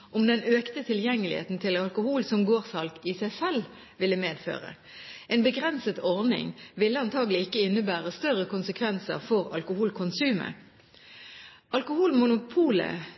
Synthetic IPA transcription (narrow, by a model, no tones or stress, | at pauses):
ʔʊmd̪ɛnøːkt̪ət̪ʰɪljɛŋːəlɪ̰hḛːt̪n̩t̪ʰɪlɑlkʊhuːlsɔmɡoːʁsɑlkisæɪsɛl | ʋɪlːəmeːd̪fø̰ːʁə̰ | eːnbəɡʁɛnsət̪ɔʁnɪ̰ŋʋɪlːəɑnt̪ʰɑːɡəlɪɪkːəɪnːəbæːʁəst̪œʁəkʰʊnsəkʰʋɛnsə̰ʁfɔʁɑlkʊhuːlkʰʊnsʉːmə̰ | ʔɑlkʊhuːlmʊnʊpʰuːlə̰